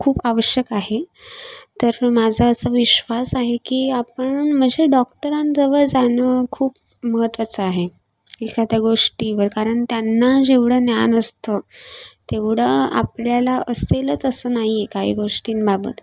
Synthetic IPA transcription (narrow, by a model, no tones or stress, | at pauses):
kʰuːpaʋəɕjəkaɦe | t̪əɾmad͡zʱəːsəʋiɕʋasaɦekiːapəɳm̤əɳd͡zʱeɖɔk̚ʈəɾand͡zəʋəd͡zanəkʰuːp̚ | məɦət̪ːʋat͡səaɦe | ikʰat̪jaɡoʂʈiʋəɾkaɾəɳt̪janːad͡ʑeʋɽ̤ənjanəst̪ət̪eʋɽəa̰pljalaəselət͡səsəːnaɦiekaɦḭɡoʂʈiːnbabə̰t̪